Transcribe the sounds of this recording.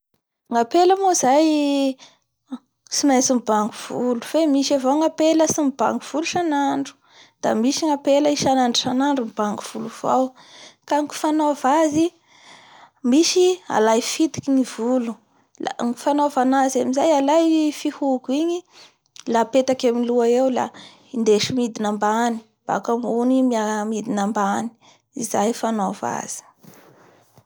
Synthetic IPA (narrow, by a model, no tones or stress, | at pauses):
ŋapeləmozaj | simasimibaŋɡuv̥uluv̥emiʃavawŋapeləsimiba̰ŋɡuv̥uluʃanaɳɖ͡ʐu̥ | d̪̥a̰miʃiŋapeləiʃanaɳɖ͡ʐuʃanaɳɖ͡ʐumbaŋɡuv̥uluv̥a̰w | kaŋku̥fanovazi | miʃia̰lajfit̪i̥kinivulu | laŋu̥fanovanazamizajalajfihukuiɲi | lapet̪akamiluaewla̰ | ind̪eʃimid̪inambani̥ | b̥a̰kamunimiamid̪inambani̥ | izajfanova̰z̥i̥